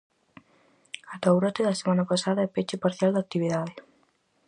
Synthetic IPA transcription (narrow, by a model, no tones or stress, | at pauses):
at̪awɾat̪eðasemanapasaðaɛpet͡ʃepaɾθjald̪ak̚t̪iβiðaðe